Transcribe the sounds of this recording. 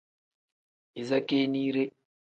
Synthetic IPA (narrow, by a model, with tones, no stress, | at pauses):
i˨za˦ke˦niː˦ɾe˦